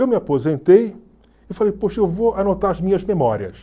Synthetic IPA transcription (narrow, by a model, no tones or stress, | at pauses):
ewmɪapozẽnt̪ej | ɪfalejpoʃɐewvoanot̪aɾɐzmĩɲɐzmemɔɾiɐ̰s